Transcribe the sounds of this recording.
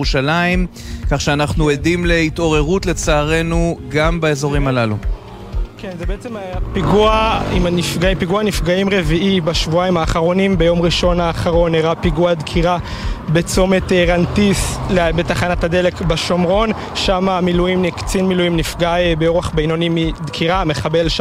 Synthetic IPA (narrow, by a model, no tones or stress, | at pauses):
uʃalaim | kaχʃeanaχnuedimle̞it̪o̞ʁe̞ʁutle̞t͡saːʁe̞nuɡambaezo̞ʁimalalu | kenzebeet͡semapiɡuaimanifɡaipiɡuanifɡaimʁe̞viʔibaʃvuaimaːχaʁo̞nimbejo̞mʁiʃo̞naːχaʁo̞neʁapiɡuad̪kʰiʁa | be̞t͡so̞meteʁantislebetaχanatad̪e̞le̞kbaʃo̞mʁo̞n | ʃamamilujimnikt͡sinmilujimnifɡaebeoʁaχbejnonimid̪kʰiʁameχabe̞lʃ